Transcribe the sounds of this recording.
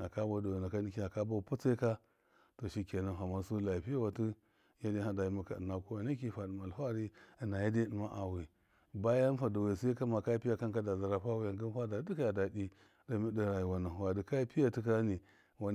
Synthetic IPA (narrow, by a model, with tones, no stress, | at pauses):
a˨ka˦bo˦da˨wa˨na˨ka˦ni˦ki˦a˨ka˦bo˦˨pu˦t͡sa˦i˦ka˦ | to˨ʃi˨ke˨na˨ɦa˨ma˦su˦la˨i˨pi˦a˦wa˨ti˦ | ja˦di˦ɦa˦da˨ji˦ma˦ka̰˨na˨ku˦wa˨na˦ki˨fa˨də˨ma˨lfa˦ɾi˦˨na˨ja˦di˦də˨ma˦ʔa˨wi˨ | ba˦ja˦n˦fa˨da˨we˨sa˦i˦ka˦ma˨ka˦i˦pi˦ja˦ka˦nka˦da˨za˨ɾa˨fa˦wi˦ja˨ŋɡə˦n˦fa˦da˨˦di˦kja˨da˨di˦ | da˨mi˦də˦ɾa˨ji˨wa˨na˨wa˨di˨ka˦i˦pi˦ja˨tu˦ka˦ni˨ | wa˨